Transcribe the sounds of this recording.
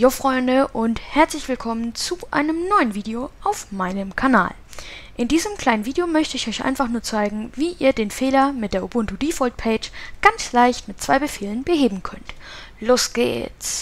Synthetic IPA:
jɔfʁ̥ɔʏndəʔʊnthɛɐt͡slɪçv̥ɪlkʰɔmənt͡suʔa̰ɪnəmnɔʏənviːdeoʔaʊfmaɪnəmkʰana̰ːlʔɪndiːzəmkʰl̥aɪnənviːdejomœçtəɪçɔʏçʔa̰ɪnfaχnuːɐt͡saɪɡŋ̩viːʔiːɐdeːnfeːlɐmɪt̚d̥eːɐobʊntudiːfɔlt̚pʰɛɪt͡ʃɡ̥ant͡slaɪçtmɪt̚t͡sv̥aɪbəfeːlənbəheːbm̩kʰœntloːsɡ̥ḛːt͡s

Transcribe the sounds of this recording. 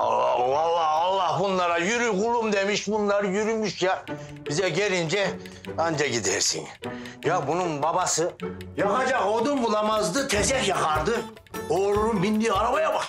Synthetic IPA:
ɑlˠːɑhɑlˠːɑhbunlːˠɑɾajyɾyɡulˠumd̪emiʃbunlˠɑɾɯjyɾymyʃja | bizɛɟeɾind͡ʒɛ | and͡ʒaɟid̪ḛɾsḭnjabununbɑbɑsɯjɑxad͡ʒɑkod̪umbulˠamazd̪ɯt̪ʰɛzɛhjɑxʰɑɾd̪ɯ | oɾuɾumbind̪iaɾabajaba

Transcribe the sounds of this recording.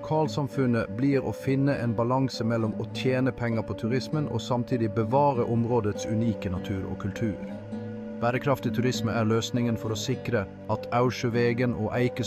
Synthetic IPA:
kʰɑːlsɑmfʉnəbliːɾo̰ːfɪnːəʔeːnbɑlɑŋsəmɛlːɔmoːt̪ʰjeːnəpʰɛŋːəpʰoːt̪ʰʉɾɪsmənʔo̰ːsɑmt̪ʰiːd̪ɪbəʋɑːɾəʔʊmɾoːd̪ət̪sʉniːkənɑt̪ʰʉːɾo̰ːkʰʉlt̪ʰʉːɾ | b̥æːɾəkʰɾɑft̪ɪt̪ʰʉɾɪsməæːʁløːsnɪŋənfɔɾoːsɪkɾə | ɑt̪ʰɑʉʃəʋeːɡəno̰ːʔæɪkə

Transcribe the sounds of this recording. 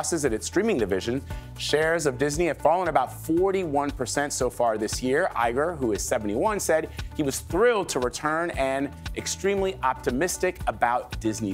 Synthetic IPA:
sɨzɨɾɨtstɹ̥ĩmɪ̃ŋdɨvɪʒɨ̃n | ʃɛɹzʌvdɪzniɨd̥fɑlˠə̃nəbaʊtfɔɹɾiwʌ̃npʰə˞sɛ̃ntsoʊfɑɹðɪsjɪɹʔa̰ɪɡə˞ɦuɨz̥sɛvn̩tiwʌ̃nsɛd̚iwʌz̥θɹɪlˠd̚tʰəɹɨtʰɜ̃˞nɨ̃nʔɨkstɹ̥ĩmliʔɑp̚tɨmɪstɨkəbaʊt̚d̥ɪzni

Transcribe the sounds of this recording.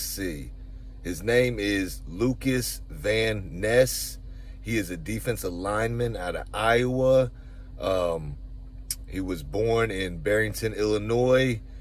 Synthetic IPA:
si | ɨznẽɪ̃mɪz | lukɨs | væ̃nːɛs | hiɨzɨdifɛ̃nsəlãɪ̃nmɨ̃ntaʊɾə̰aɪə | hiwʌzbɔɹnɪ̃nbɛɹɪ̃ŋtʰɨ̃nɪlˠənɔɪ

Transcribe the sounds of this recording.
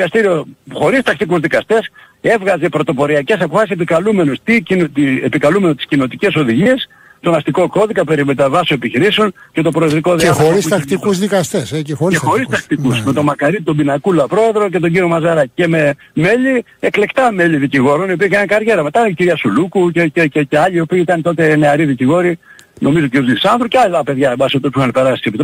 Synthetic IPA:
kɐst̪iɾioxo̞ɾist̪ɐkt̪ikuzðikɐst̪e̞s | e̞vɣɐze̞pɾo̞t̪o̞po̞ɾiɐce̞sɐpofɐsise̞pikɐlume̞nust̪icint̪epikɐlume̞not̪i̥scino̞t̪ice̞so̞ðiʝies | t̪o̞nɐst̪iko̞ko̞ðikɐpe̞ɾimet̪ɐvɐsoepiçiɾiseo̞nce̞t̪o̞pɾoeðɾikoðeɾisɐkt̪ikuzðikɐst̪eseexo̞ɾist̪ɐk̚t̪ikusmet̪o̞mɐkɐɾit̪o̞binɐkulɐpɾo̞e̞ðɾo̞ce̞t̪o̞ɲɟiɾio̞mɐzɐɾɐce̞me̞ | me̞ʎi | ekle̞kt̪ɐme̞ʎiðiciɣo̞ɾo̞nio̞pikɐnnkɐɾʝe̞ɾɐme̞t̪ɐiciɾiɐsulukuceceeceɐʎiiopiːit̪ɐnt̪o̞t̪e̞ne̞ɐɾiðiciɣo̞ɾi | nʔo̞mizociɾjozlisɐnd̪ɾoceɐlɐt̪ɐpe̞ðʝɐbɐsipt̪ospiçxɐnpe̞ɾɐsst̪isepit̪

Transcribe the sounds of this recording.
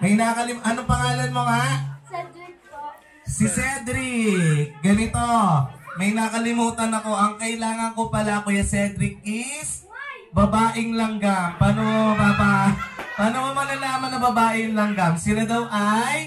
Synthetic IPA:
mɐjnaːkɐlɪmʔɐnopɐŋaːlɐnmoŋa | sisɛd̪ɾɪk̚ɡɐnɪt̪o̞mɐjnaːkɐlɪmuːt̪ɐnɐko̞ʔɐŋkɐʔɪlaːŋɐŋko̞pɐlaʔɐko̞jɐsɛd̪ɾɪk̚ɪs | bɐbaːʔɪŋlɐŋɡampaːnoobabapaːnomomɐnɐlaːmɐnːɐbɐbaːʔɪŋlɐŋɡɐmsɪlad̪ɐwʔaj

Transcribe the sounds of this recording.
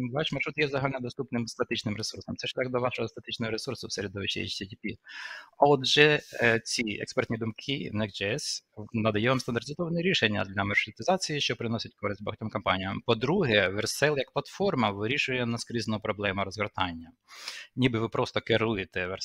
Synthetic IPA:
ʋɑʃmɐrʂut̪jɛzɐɦalʲnɛd̪ɔst̪upnɪmst̪ɐt̪ɪt͡ʃnɪmɾesursɔmt̪sɛʃt̪ʲɑkd̪ɔʋɑʃɔɦɔst̪ɐt̪ɪt͡ʃnɔɦɔɾesursʊwseɾʲɪd̪ɔʋɪt͡ʃḛḭt͡ʃsʲɛtʲipʲi | ɔd̪ʒɛt͡sʲiɛ̰kspɛrt̪ʲnʲid̪ʊmkʰɪnɛkd͡ʒɛɛsnɐd̪ɐjɛʋamst̪ɐnd̪ɐrtʲɪzɔʋɐnɛɾʲiʃenʲːɐ̰d̪lʲɐmɐrʂɾut̪ɪzɑt͡sʲijiʃt͡ʃɔpɾɪnɔsʲɪtʲkɔɾɪsʲt̚ʲbɐ̰ɦɐtʲɔmkɔmpɑnʲijɐmpɔd̪ɾuɦɛʋersɛlˠjɐk̚plˠɐt̪fɔrmɐʋɪɾʲiʃʊjɛnɐskɾʲiznʊpɾɔblˠɛmʊɾɔzʋert̪ɑnʲːɐ | nʲibɪʋɪpɾɔst̪ɔkɪɾujet̪ɛʋɛ

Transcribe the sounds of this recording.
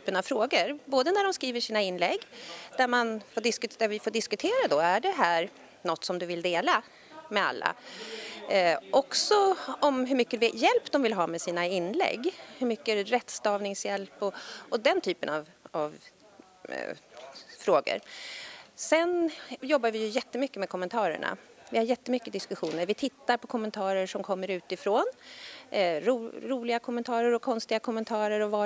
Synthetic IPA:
t̪ʰyːpːənavfɾoːɡəɾboːd̪ənæɖɔmskɾiːvəʂiːnaɪnːlɛɡːd̪̥æɾmanfoːɖɪskɵd̪æɾvɪfoːɖɪskɵt̪ʰeːɾad̪ɔæɖɛɦæːɾ | nɔt̪ːsɔmd̪ɵvɪld̪eːla | mɛa̰lːa̰ | ʔɔksɔɔmɦɵɾmʏkːəvjɛlpːd̪ɔmvɪlɦɑːmɛsiːnaɪnːlɛ̰ɡːhɵmʏkːəɾɛt̪st̪ɑːvnɪŋsjɛlpɔʔɔd̪ɛnt̪ʰyːpənav | av | fɾoːɡə̰ɾ | sɛnjɔbːaɾvɪjɵjɛt̪ːəmʏkːəmɛkʰɔmːənt̪ʰɑːɾə̰ɳa̰ | vɪhaɾjɛt̪ːəmʏkːəd̪ɪskɵɧuːnəɾvɪt̪ʰɪt̪ːaɾpʰɔkʰɔmːɛnt̪ʰɑːɾəʂɔmkʰɔmːəɾʉ̟ːt̪ɪfɾoːn | ɾuɾuːlɪɡakʰɔmːənt̪ʰɑːɾəɾɔkʰɔnst̪ɪɡakʰɔmːənt̪ʰɑːɾəɾɔvɑː

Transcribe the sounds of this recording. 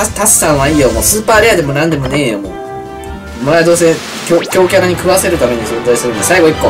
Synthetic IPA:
t̪assãɰ̃βaiːjomo̰sɨːpaːɾʲejad̪e̞mo̞nãnd̪e̞mo̞ne̞ːjomo̰ | mad̪oːs̬ẽ | kʲokʲo̞ːkʲakaɲ̟ikɯ̟βase̞ɾɯ̟t̪ame̞ɲ̟isot̪oisɨɾɯ̃nd̪asaiɡo̞ikːo

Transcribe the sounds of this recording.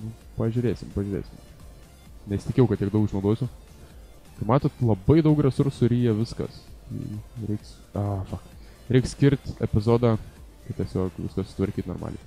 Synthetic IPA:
nʊ | pɐʒʲʊɾʲeːsʲɪmpɐʒʲʊɾʲḛːsʲɪm | nʲɛsʲt̪ʲɪkʲːɛʊkɐt̪ʲiɛk̚dɐʊkɪʃnɐʊd̪oːjsʲʊ | kɐɪmɑːt̪oːt̪lˠɐbɐɪd̪ɐʊkɾʲɛsʊɾsʊɾʲiːjɛʋʲɪskɐ̰sḭɾʲɛɪks | ofɐkt | ɾʲɛɪksʲkʲɪɾʲt̪ʲɛpʲɪzoːd̪ɑː | kɐtʲiɛsʲoːkʋʲɪ̰skɐsʲʊ̥t̪ʋɐɾʲkʲiːt̪no̰ːɾmɑ̰ːlʲɪj

